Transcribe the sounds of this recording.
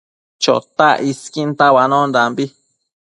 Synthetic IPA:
t͡ʃo̰t̪aʔiskint̪awanõnd̪ambi

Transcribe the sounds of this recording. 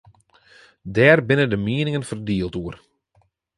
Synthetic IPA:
dɛːrbɪnəndəmiənɪŋənfərdiəlˠtuər

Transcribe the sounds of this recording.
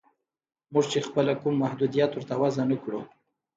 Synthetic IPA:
muʐt͡ʃexpəlakumːahd̪ud̪ijat̪wʊɾt̪awazanəkɽu

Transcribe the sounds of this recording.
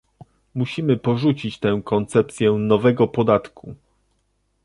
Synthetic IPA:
muɕimɘpɔʐut͡ɕit͡ɕt̪ɛ̃w̃kɔnt̪sɛp̚t̪sʲjɛnɔvɛɡɔpɔd̪at̪ku

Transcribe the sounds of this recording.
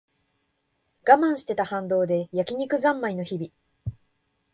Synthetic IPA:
ɡ̥amãɰ̃ɕi̥t̪e̞t̪ahãnd̪o̞ːd̪e̞jakʲiɲ̟ikɯ̟zãmːaino̞çibʲi

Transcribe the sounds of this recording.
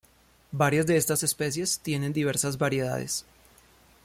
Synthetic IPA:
baɾjazd̪e̞est̪ase̞spe̞sje̞st̪je̞ne̞nd̪iβe̞ɾsazbaɾje̞ða̰ðe̞̰s

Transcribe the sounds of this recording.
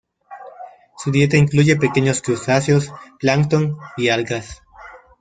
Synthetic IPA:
suðje̞t̪aiŋkluʝe̞pekeɲoskɾusasjosplaŋkt̪oŋialɡɾas

